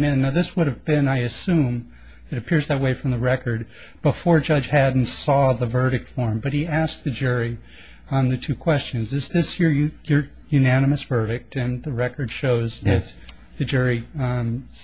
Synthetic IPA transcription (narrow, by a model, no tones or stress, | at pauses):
mɪ̃nːaʊðɪswʊɾɨvbɪ̃naɪɨsʉ̃m | ðɨɾɨpʰɪɹzðɨt̚weɪfɹʌ̃mðəɹɛkə˞d̚ | b̥əfɔɹd͡ʒʌ̥d͡ʒ̥hædⁿn̩tsɔðəvɜ˞ɾɨk̚tfɔɹmbʌt̚hiæsk̚ðɨd͡ʒʊɹi | ə̃nðɨtʰʉkʰw̥ɛst͡ʃɨ̃nzðɨzðɪsjɪɹjə˞ | jʉnænɨmɨsv̥ɜ˞ɾɨk̚tɨ̃nðɨɹɛkə˞d̥ʃoʊzðɨt̪̚ | ðɨd͡ʒʊɹi